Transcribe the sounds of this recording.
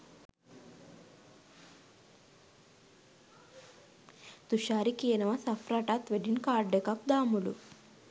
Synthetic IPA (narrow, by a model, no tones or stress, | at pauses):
t̪uʃaːɾikeːnɐʋɐsɐfɾaʈat̪ʋeɖinkaːɾɖɖekɐp̚d̪aːmulṵ